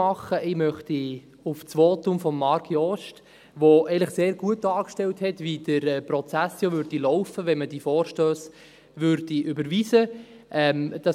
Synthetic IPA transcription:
ɑχəʔɪmœχti | ʊft͡sʋoːtʊmfɔmːɑɾɡjɔʃt | ʋoɛɪnləχseːɾɡ̥uət̚d̥ɑːkʃtɛlthɛtʋid̥əɾɛprɔt͡sæsjoʋʏɾd̥ilɔʊfəʋɛnməd̥ifɔːɾʃtøːs | ʋʏɾd̥iʔʏbəɾʋiːsə | ʔɛmd̥ɑ

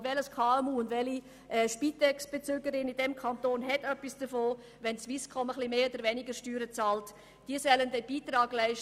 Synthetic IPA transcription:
vɛləskʰɑːɛmuːʊndʋɛli | ɛʃpitɛksb̥et͡søːɡəɾɪnɪdɛmkʰɑntoːnɦɛtœpːisd̥əfoː | ʋɛnsʋiskʰɔməχlimeːod̥əɾvɛnɪɡəɾʃtyːɾət͡sɑːlt | d̥iːəsœləndɛb̥iːtɾɑːɡ̥læɪʃ

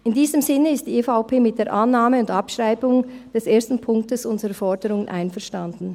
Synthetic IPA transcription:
ʔɪndiːzəmzɪnəɪst̚d̥iːefaʊpʰeːmɪt̚d̥eːɐʔanːaːməʊndɑpʃʁ̥aɪbʊŋd̥ɛsʔeːɐstn̩pʰʊŋk̚təsʔʊnzəʁəfɔɐdəɾʊŋənʔa̰ɪnfɛɐʃtand̥n̩

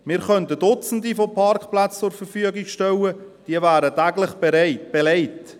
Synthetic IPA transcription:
mɪːɾχœntədʊt͡sn̩difopʰɑrkχplat͡st͡sʊɾfərfyəɡikʃtɛwəd̥iəvæːɾətæɡlɪχb̥eɾɪb̥ɛleɪt

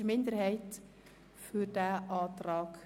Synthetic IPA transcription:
mɪndəɾhɛɪt | fyːɾd̥æːʔɑːtrɑːk

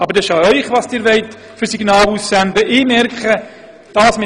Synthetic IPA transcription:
ɑbəɾdɛʃɑœʏχvɑsd̥ɪːɾvɛɪt | fʏrsiɡnɑːlusːændəʔɪmɛrkχə | d̥ɑːsmɪ

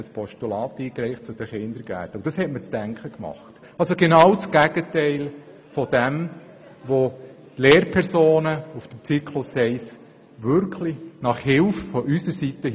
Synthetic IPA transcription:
əspʰɔʃtylɑːtiːkɾɛɪχtt͡sʊd̥̪əχɪnd̪əɾɡ̥æ̰ːtəd̥ɑshɛtmət͡sd̥æŋkʰχəkmɑ̰χt | ɑlsoɡɛnɑwt͡sɡ̥æɡ̥ətɛɪl | fɔd̥ɛm | ʋo | tleːɾpʰɛɾsoːnəufd̥əmt͡sikʰlʊsɛɪs | ʋʏɾkχlinɑχhɪlffɔʔysəɾsitə

